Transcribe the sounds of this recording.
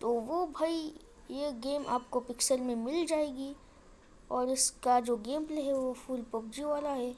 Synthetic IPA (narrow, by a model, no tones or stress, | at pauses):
t̪oʋobʱai | jeɡeːmʔa̰ːp̚kopɪksəlmẽmɪld͡ʒaːeːɡi | ɔːɾɪskad͡ʒoːɡeːmpleɦɛʋofʰuːlpɐbd͡ʒiʋaːlaɦɛː